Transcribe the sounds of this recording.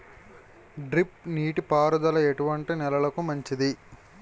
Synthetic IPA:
ɖɾipniːʈipaːɾud̪ɐlɐeʈuʋɐɳʈinɛlɐlɐkumɐɲt͡ʃid̪i

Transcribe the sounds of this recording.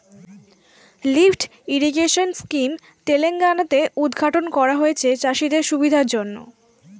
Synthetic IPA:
lifʈ | iɾiɡeʃonskim | t̪eleŋɡanat̪eʔud̪ɡʱaʈonkɔɾaɦoet͡ɕʰet͡ɕaʃid̪eɾʃubid̪ʱaɾd͡ʑonːo̰

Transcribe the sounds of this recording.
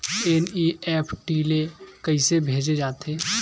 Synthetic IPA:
eːniɛːpʰʈiːlekəisebʱeːd͡ʒed͡ʒaːt̪eː

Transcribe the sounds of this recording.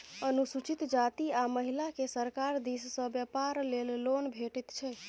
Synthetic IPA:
ənusut͡ʃit̪d͡ʒat̪iaməɦilakesəɾkaɾd̪issə̃bjəpaɾlellonbʱeʈit̪t͡ʃʰɛ

